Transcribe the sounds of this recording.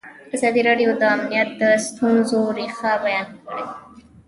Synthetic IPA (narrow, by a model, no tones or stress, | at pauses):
ɪq̚t̪ɪsɑd̪iɾɑɖijod̪əamnijat̪̚d̪əst̪ʰunzoɾixabajɑnkəɽe